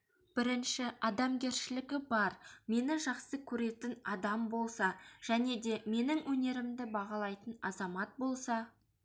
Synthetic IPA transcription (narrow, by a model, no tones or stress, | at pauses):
b̥ɪɾɪnʃɪʔɑd̪ɑmɡʲe̞ɾʃɪlɪɡʲɪbɑɾme̞nɪʒɑqsəkʲʰɵɾe̞t̪ɪnɑd̪ɑmbo̞lˠsɑʒ̥æne̞d̪e̞me̞nɪŋwʔɵne̞ɾɪmd̪ɪbɑʁɑlˠɑjt̪ənɑzɑmɑt̪̚bo̞lˠsɑ